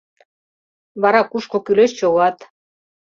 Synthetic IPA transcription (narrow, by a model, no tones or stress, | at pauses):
βɑɾɑkuʃkokyleʃt͡ɕoβɑt̪